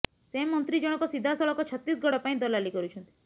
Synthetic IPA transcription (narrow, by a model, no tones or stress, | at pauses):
semːɔnt̪ɾid͡ʒɔɽ̃ɔkɔsid̪ʱːasɔɭɔkɔt͡ʃʰɔt̪ːisɡʱɔɽɔpaĩd̪ɔlalikɔɾut͡ʃʰɔnt̪i